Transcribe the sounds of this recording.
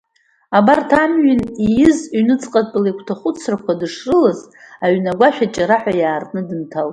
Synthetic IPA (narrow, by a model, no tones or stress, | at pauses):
abartʰamɥɪnijɪzɥnɨt͡sʼqʼapʼlekʷʰtʰaχʷʊt͡sʰrakʷʰadɨʂrɨlaz | aɥnaɡʷaʃᶣat͡ʃʼaɾaħʷᶣajaːrʼnɨdɨntʰalʼ